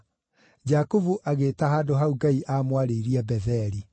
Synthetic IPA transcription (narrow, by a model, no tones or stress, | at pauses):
d͡ʑakovuʔaɣetaɦaːdoɦauɡaiʔaːmwaɾeiɾiɛbɛðɛɾi